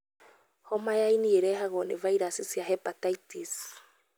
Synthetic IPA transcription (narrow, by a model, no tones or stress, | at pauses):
hɔmajainieɾɛɦaɣɔnevaiɾasisiaɦɛpataitis